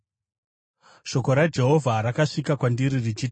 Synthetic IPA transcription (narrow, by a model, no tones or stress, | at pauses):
ʃo̞ko̞ɾad͡ʒe̞ɦo̞vʱaɾakaʂikakwandiɾirid͡ʒit